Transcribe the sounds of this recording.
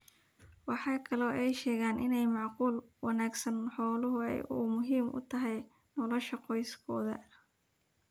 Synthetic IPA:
wɑħɑːkʰɐlɔːʔɛjʃɛːɣaːnʔɪnɛjmɑʕquːlwɑnaːɡsɐnħɔːlʊɦʊɛ̰jʊ̰mʊɦiːmʔʊ̰t̪ʰɐɦɛj | nɔlɐʃɐqɔjskʰɔːðɐ̰

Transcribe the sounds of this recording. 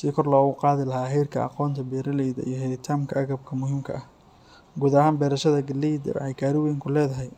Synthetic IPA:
sɪkʰɔrlɔːɣʊqɑːðɪlɐɦaːɦɛjrkʰɐ̰ɑ̰qɔːnt̪ʰɐbɛːɾɐlɛjðɐ̰ʔijɞɦɛt̪ʰaːmkʰɐɐɣɐb̚kʰɐmʊɦɪmkʰɐ̰ɐh | ɡuːðɐhaːnbɛːɾɐʃɐðɐɡɐlɛjd̪ɐ̰ɛjkʰaːɾɪwɛjŋkʰʊlɛːðɐɦɛj

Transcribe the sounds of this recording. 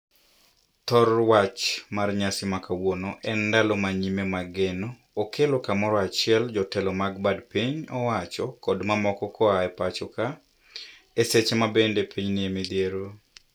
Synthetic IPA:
t̪ɔrwat͡ʃmarɲasɪmakawonoʔɛndalɔmaɲimemaɡenoː | kʰelokamɔɾɔat͡ʃɪɛld͡ʒɔtɛlɔmaɡbadpiɲɔwat͡ʃɔkɔdmamɔkɔkʰɔaɛpat͡ʃɔka | eset͡ʃemabendepʰiɲnɪemid̪jeɾo

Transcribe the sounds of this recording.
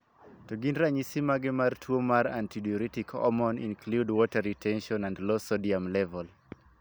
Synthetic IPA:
tuɡindɾaɲisimaɡɛmartʰuomaɾã̰ntʰidiɔɾitikʰɔ̰mɔ̃nḭ̃nkʰludwɔtaɾitʰɛ̃nʃɔ̃nãndlɔsɔdiamlɛvɔl

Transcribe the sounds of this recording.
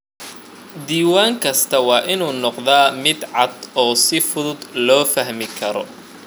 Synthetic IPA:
d̪iːwaːŋkʰɐst̪ʰɐwɑːʔɪnuːnɔqðaːmɪd̪ʕɑd̪ɔːsɪfʊðʊd̪lɔːfɐɦmɪkʰɐɾɔ

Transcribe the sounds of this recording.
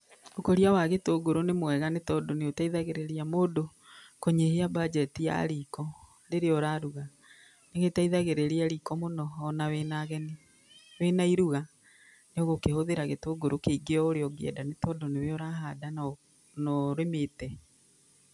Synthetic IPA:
okoɾiawaɣetoːɡoɾonemwɛɣanetɔdoneotaiðaɣeɾeɾeamoːdo | koɲeɦeabad͡ʒɛtija̰ɾikɔ | ɾeɾeɔɾaɾuɣa | neɣetaiðaɣeɾeɾeaɾikɔmonɔɔnawɛnaɣɛne | wenaiɾuɣa | neoɣokehoðeɾaɣetoɡoɾokeiɡeɔoɾeɔɡeɛ̰danetɔdoneweɔɾaɦadan | nɔɾemetɛ

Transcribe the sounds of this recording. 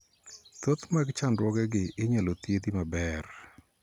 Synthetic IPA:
t̪ot̪maɡt͡ʃandwɔɡɛɡɪʔɪɲalot̪jed̪imabɛr

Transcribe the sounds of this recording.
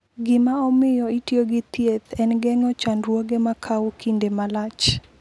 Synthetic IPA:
ɡɪmaɔmɪjɔitjoɡɪt̪jet̪ɛnɡɛŋɔt͡ʃanɾwoɡemakʰawkindemalat͡ʃ

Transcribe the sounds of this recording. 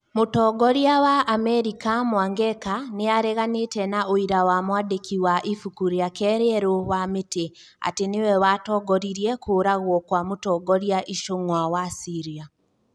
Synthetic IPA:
motɔɡɔɾiawaʔːmɛɾikamwaːŋɡɛkaneaɾɛɣanetɛnaoiɾawamwaːdekʰiwaʔifukuɾiakɛɾeɛɾowamete | a̰tenewɛwatɔːɡɔɾiɾiɛkʰoːɾaɣwɔkwamotɔːɡɔɾjaʔiʃoŋwawasiɾia

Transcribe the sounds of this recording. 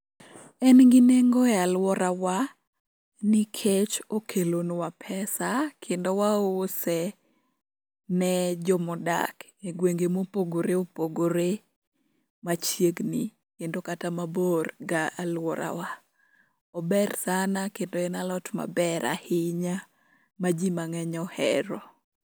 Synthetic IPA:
ɛnɡineŋɡoɛalwɔɾawa | nikʰet͡ʃokʰelonwapʰɛsakʰendowasɛ | nɛd͡ʒɔmɔda̰k | eɡweŋɡemopoɡoɾeopoɡoɾe | mat͡ʃjeɡni | kendokatamaborɡaʔalwɔɾʔa̰wa | ɔbɛrsanakendoɛnalɔtma̰bɛɾʔa̰hɪɲa | mad͡ʒimaŋɛɲɔhɛ̰ɾɔ

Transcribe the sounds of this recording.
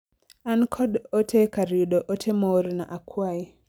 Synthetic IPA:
ankʰɔɗɔtʰɛkaɾuɗɔʔɔtʰemɔɾna̰ʔakʰwai

